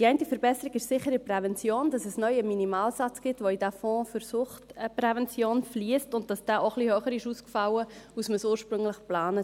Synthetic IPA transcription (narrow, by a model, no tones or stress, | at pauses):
d̥iɛɪntifəɾbɛsəɾiɡɪʃsɪχːəɾɪpɾɛvɛnt͡sjoːnd̥ɑsɛsnœʏəminimɑːlsɑt͡sɡ̥ɪtʋoidæfɔ̃ːfyɾsʊχtpɾɛvɛnt͡sjoːnfliəstʊnt̚d̥ɑsd̥ɛːʔoχlihøːχəɾɪʃuːskfɑwəusməsuːɾʃpɾʏŋlɪχplɑːnə